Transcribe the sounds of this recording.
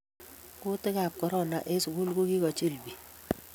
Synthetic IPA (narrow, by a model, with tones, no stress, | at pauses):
kʊ˦tɪ˦ka˨p̚kɔ˦ɾɔ˦˨na˨ʔe˦su˨ku˦lko˦ki˦kɔ˨t͡ʃi˦˨lbi˨